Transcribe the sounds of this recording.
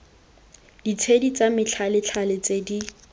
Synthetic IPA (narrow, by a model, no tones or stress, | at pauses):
d̥it͡sʰedit͡samɪt͡ɬʰalɪt͡ɬʰalɪt͡sedi